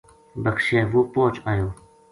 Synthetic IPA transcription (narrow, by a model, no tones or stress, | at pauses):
bəkʃeːʋoːpõːt͡ʃaːjoː